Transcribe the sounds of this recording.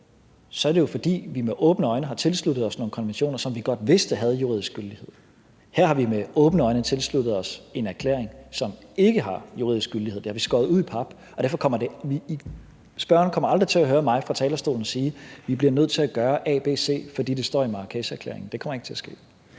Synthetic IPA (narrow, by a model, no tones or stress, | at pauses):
sɒ̽æɐdejo̝fɒ̽d̥ḭːʋimeʔɔ̽ːb̥nəɒ̽ɪnəɦɑ̈t͡sʰe̝lslud̥ð̞̩ˠɒsno̝ːkʰɒ̽nʋenɕo̝̰ːnɐsɒ̽mʋiɡ̥ɒ̽d̥ʋe̝sd̥əɦæð̞̩ˠjuʁḭðˠisɡ̥yld̥ihe̝ð̰ˠ | hæɐ̰hɑ̈ʋimeɔ̽ːb̥nəɒ̽ɪnət͡sʰe̝lslud̥ð̩ˠɒ̽se̝næɐkʰlḛːɐ̰eŋsɒ̽me̝ɡ̥əɦɑ̈juʁiðˠisɡ̥yldiheð̥ˠe̝hɑ̈ʋisɡ̥ɔ̽ːðˠuðˠipʰɑ̈b̥ | ɒd̥æɐfɒkʰɒ̽m̰ɐde̝ʋi | sb̥ɶɐ̰nkʰɒ̽m̰ɐɑ̈ld̥ʁit͡sʰe̝læɦøːɐmɑ̈ɪfʁɑ̈t͡sʰɛːlɐsd̥o̝̰ːln̩ɒ̽siːʋib̥liɐnøð̞̰ˠt͡sʰe̝æɡ̥ɶːɐʔɛ̰ːb̥e̝̰ːse̝̰ːfɒ̽d̥ḭːd̥e̝sd̥ɒ̰ːimɑ̈ːkʰesəæɐkʰlḛɐe̝ŋn̩d̥e̝kʰɒmɐe̝ɡ̥t͡sʰe̝æɐsɡ̥e̝̰ː